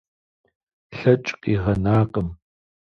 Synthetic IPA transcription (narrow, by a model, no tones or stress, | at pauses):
ɬɐt͡ʃʼqiːʁɐnaːqəm